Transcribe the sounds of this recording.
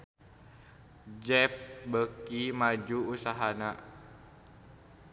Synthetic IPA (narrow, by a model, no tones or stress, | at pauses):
d͡ʒɛp̚bəkimad͡ʒuːsaɦana